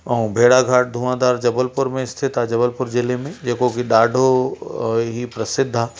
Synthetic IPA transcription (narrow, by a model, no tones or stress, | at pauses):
ɔ̃bʱeːɽaɡʱaːʈ̚d̪ʱumãd̪aːɾd͡ʒɐbəlpʊɾmẽɪst̪ʰɪt̪ad͡ʒɐbəlpʊɾd͡ʒɪlemẽd͡ʒeːkokiɖaːɖʱo | ɦipɾɐsɪd̪ʱːa